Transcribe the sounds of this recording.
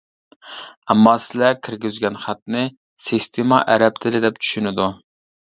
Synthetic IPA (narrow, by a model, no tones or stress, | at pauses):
ɛmːɑsɪlɛkʲʰɪɾɡʲyzɡʲɛnχæt̪nɪ | sist̪ʰemɑʔæɾɛp̚t̪ʰɪlɪd̪ɛp̚t͡ʃʰy̥ʃynɪd̪u